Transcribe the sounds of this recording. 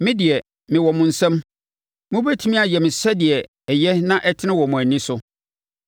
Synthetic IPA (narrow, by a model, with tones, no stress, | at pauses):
mɪ̃˦dɪ˨ɛ˨ | mɪ̃˨wɔ˨mʊ̃˨n̩˨sɛ̃˦m | mʊ̃˦bæ˦tʰi˦mĩ˦a˨jɛ˨mɪ̃˨sɛ˦dɪ˨ɛ˨ | ɛ˨jɛ˦nã˦ʔɛ˦tʰɪ˦nɪ̃˦wɔ˨mʊ̃˨æ˨nĩ˦sʊ˦